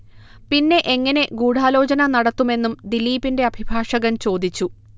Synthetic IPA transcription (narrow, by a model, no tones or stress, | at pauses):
pinːe̞ʔeŋːɐne̞ɡuːɽaːlo̞ːt͡ɕɐnɐnɐɽɐt̪ːume̞nːumd̪ilːiːpinde̞ɐbʱibʱaːʂɐɣɐnt͡ɕo̞ːd̪it͡ɕːu